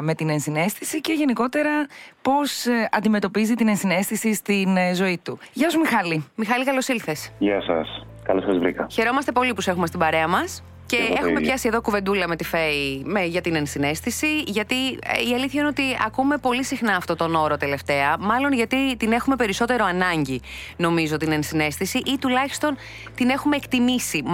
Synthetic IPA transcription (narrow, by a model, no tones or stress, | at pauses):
me̞t̪ine̞nsine̞st̪isice̞ʝe̞niko̞t̪e̞ɾɐpo̞sɐ̰nd̪ime̞t̪o̞pizit̪ine̞nsine̞st̪isist̪inzo̞it̪uʝɐsumixɐlimixɐlikɐlo̞silθesʝɐsɐ̰s | kɐlosɐzvɾḭkɐçe̞ɾo̞mɐst̪e̞po̞lipuse̞xumest̪ibɐɾe̞ɐmɐs | ce̞exume̞pçɐsie̞ðo̞kuve̞nd̪ulɐme̞t̪ifeimeʝɐt̪inensine̞st̪isiʝɐt̪iiɐliθçɐineot̪iɐ̰kume̞po̞lisixnɐːft̪o̞t̪o̞no̞ɾo̞t̪e̞le̞ft̪e̞ɐmɐlo̞nʝɐt̪it̪ine̞xume̞pe̞ɾiso̞t̪e̞ɾo̞ɐnɐɲɟino̞mizot̪inensine̞st̪isiʔit̪ulɐçi̥st̪o̞n | t̪ine̞xume̞ːkt̪imisi